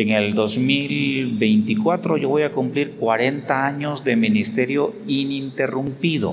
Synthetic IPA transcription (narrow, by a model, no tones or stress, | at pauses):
eŋe̞ld̪o̞zmilbe̞jnt̪ikwat̪ɾo̞ʝo̞βo̞jakumpliɾkwaɾe̞nt̪aaɲo̞zd̪e̞minist̪e̞ɾjo̞inint̪e̞rumpiðo̰